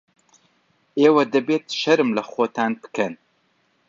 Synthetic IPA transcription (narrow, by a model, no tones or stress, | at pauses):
eːwɐd̪ɐbeːt̪ʃɐɾɨmlɐxoːt̪ʰaːnbɨ̥kʰɛn